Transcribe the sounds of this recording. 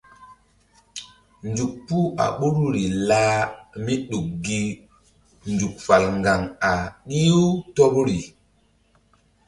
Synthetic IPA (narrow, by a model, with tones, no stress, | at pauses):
nd͡ʒu˨k̚pu˦a̰˨ɓu˦ɾɾi˨laː˦mi˦ɗu˨k̚ːɡi˦ | nd͡ʒu˨k̚fa˨lŋɡa˨ŋa˨ɗi˦u˦tɔ˦pɾi˨